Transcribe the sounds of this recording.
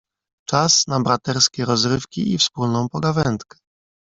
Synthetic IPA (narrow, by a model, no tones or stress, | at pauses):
t͡ʂasnabɾat̪ɛɾskʲɛɾɔzɾɘfkʲiifspulnɔ̃w̃pɔɡavɛnt̪kɛ̥